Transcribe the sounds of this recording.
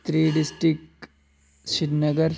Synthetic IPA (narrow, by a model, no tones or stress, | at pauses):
t̪ɾiːɖisʈɾik̚ʈ | ʃidnɐɡɐɾ